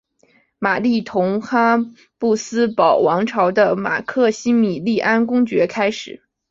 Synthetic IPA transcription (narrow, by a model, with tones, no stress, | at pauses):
ma˨˩li˥˩t̪ʰʊ˧˥ŋxa˥ | pu˥˩sɹ̩˥pɑ˨˩ʊwɑ˧˥ŋʈ͡ʂʰɑ˧˥ʊd̪ə˧ma̰˨˩kʰɤ˥˩ɕi˥mi˨˩li˥˩ʔa˥nk̬ʊ˥ŋt͡ɕɥɛ˧˥kʰa˥ɪʂɻ̩˨˩˦